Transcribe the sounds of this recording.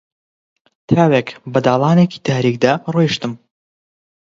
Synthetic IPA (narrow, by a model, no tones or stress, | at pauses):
t̪ʰaːwekbɐd̪aːlˠɑːneːci̥t̪ʰaːɾiːk̚d̪arojʃt̪ɨm